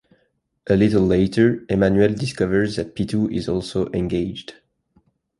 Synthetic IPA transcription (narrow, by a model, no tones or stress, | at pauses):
ʔəlɪɾl̩lːeɪtə˞ɛmãnjuɛldɪskʌvə˞zðɨt̚pʰitʰuʔɪzɔlˠsoʊʔɛ̃nɡeɪd͡ʒd̥